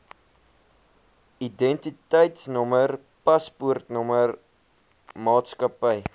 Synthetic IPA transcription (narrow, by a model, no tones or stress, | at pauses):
idɛntitəjtsnɔmər | pɐspuərtnɔmər | mɑːtskɐpəj